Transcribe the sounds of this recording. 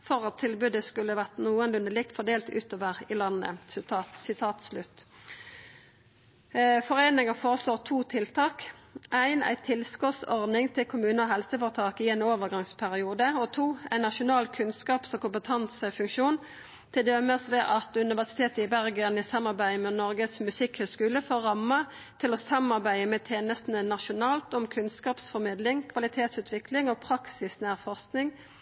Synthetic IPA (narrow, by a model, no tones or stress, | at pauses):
fɔʁɑt̪ʰːɪlbʉd̪əskʉlːəʋæʁt̪nuːənlʉnd̪əlɪk̚t̪fɔd̪eːlt̪ʉ̰ːt̪oːʋəʁɪlɑnːə̰st̪ɑːt̪sɪt̪ʰɑːt̪slʉt̪ː | fɔʁeːnɪŋəfoːʁəsloːʁt̪ʰuːt̪ʰɪlt̪ʰɑːkʔæɪnæ̰ɪt̪ʰɪlskɔt̪sɔʁd̪nɪŋt̪ʰɪlkʰʊmʉːnəɔɦɛlsəfɔːʁət̪ʰɑːkɪɛɪnoːʋəʁɡɑŋspʰæʁɪuːd̪əɔt̪ʰuːæ̰nɑʃʊnɑːlkʰʉnskɑːpsɔmkʊmpət̪ʰɑnsəfʉŋkʃuːn | t̪ʰɪld̪ɛməsʋɛʔɑt̪ʉnɪʋæʁsɪ̥t̪ʰeːt̪əɪbæʁɡənɪsɑmːɑʁbæɪmɛnɔʁɡəsmʉsɪkhøːskʉːləfoːʁɑmːɑ | t̪ʰɪlɔsɑmɑʁbæɪəmɛt̪ʰeːnəst̪nənɑʃʊnɑːlt̪ɔmkʰʉnskɑːpsfɔʁmɪd̪lɪŋkʰʋɑlɪt̪ʰeːt̪sʉːt̪ʰʋɪklɪŋɔpʰʁɑksɪsnæːʁfɔʁsknɪŋ